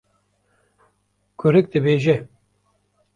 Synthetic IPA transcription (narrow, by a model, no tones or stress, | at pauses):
kʰʊɾɨk̚d̪ɨbeːʒɛ